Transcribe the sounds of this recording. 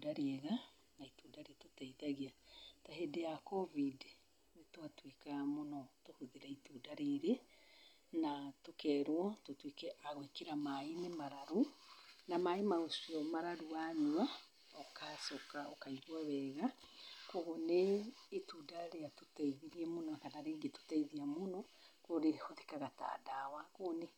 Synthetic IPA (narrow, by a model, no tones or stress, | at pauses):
daɾeɛɣa | naituːdaɾeatotaiðaɣiataɦedeakɔvid | netwatwekamonɔtohuðeɾaitudaɾeɾe | natokɛːɾwɔtotwekɛʔaɣwekeɾamainemaɾaɾunamaimaɣosiɔmaɾaɾuaɲuwa | ɔkasɔkaɔkaiβwaβɛːɣakoɣoneːtudaɾejatutaiðiɾiɛmonɔakanaɾeːɡeto̥taiðiamonokoɾeoðekaɣata̰dawakone